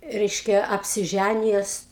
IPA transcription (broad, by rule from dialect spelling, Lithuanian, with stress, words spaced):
ˈrʲɛɪʃʲkʲɛ ɐpʲsʲɪˈʒʲænʲɪjɛs